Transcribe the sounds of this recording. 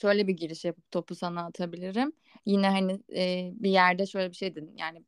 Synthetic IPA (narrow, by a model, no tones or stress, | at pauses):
ʃø̞jlʲɛbiɟiɾiʃjapɯp̚t̪ʰo̞pʰusanaːt̪ʰabilʲiɾim | jinɛɦanɪːbijæɾd̪ɛʃø̞jlʲɛbiʃe̞jd̪ilʲinja̰ːnɪ